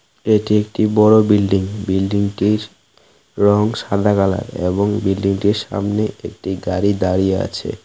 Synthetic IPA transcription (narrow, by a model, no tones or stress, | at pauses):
eʈiek̚ʈibɔɾobilɖiŋbilɖiŋʈiɾ | ɾɔŋʃad̪ʱakala̰ɾḛboŋbilɖiŋʈiɾʃa̰mneʔek̚ʈiɡaɾid̪aɾijea̰t͡ɕʰḛ